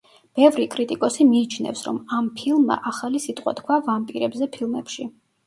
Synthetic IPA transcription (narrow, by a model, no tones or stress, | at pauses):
b̥ɛvɾikʼɾit̪ʼikʼɔsimiːt͡ʃʰnɛ̰fsɾɔmampʰilˠmːa̰ʔaχalisit̪ʼqʼwa̰t̪kʰwavampʼiɾɛbzɛpʰilˠmɛpʃi